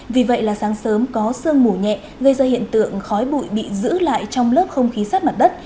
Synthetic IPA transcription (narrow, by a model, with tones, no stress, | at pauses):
vi˨˩və̰˧˨jlaː˨˩saː˨˦ŋsəː˨˦mkɔ˨˦sɨ˧əŋmu˧˩ɲɛ̰˧˨ | ɣə˧jzaː˧hḭ˧˨ənt̪ɨ̰˧˨əŋxɔ˨˦jɓṵ˧˨jɓḭ˧˨zɨ̰˧˥la̰ː˧˨jt͡ɕɔ˧wŋ͡mləː˦˥p̚xə˧wŋ͡mxi˨˦saː˦˥t̚ma˨˩t̚ɗə˦˥t̚